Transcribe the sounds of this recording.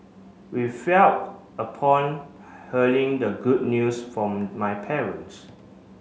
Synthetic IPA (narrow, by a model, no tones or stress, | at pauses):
wifɛl | əpʰɔ̃n | həlĩŋdəɡud̚njusfɹɔ̃mːajpʰɛɹə̃ns